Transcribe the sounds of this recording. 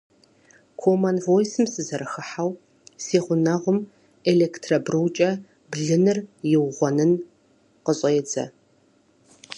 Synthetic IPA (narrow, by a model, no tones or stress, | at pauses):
kʰomɐnvojsɨmsɨzɐɾɨxɨħaw | seːʁʷʊnɐʁʷʊm | eleːktʰrɐbrɨwt͡ʃʼɐ | bɮɨnɨrjɪwʁʷɔnɨn | qəɕʼɐjɛd͡zɐ̰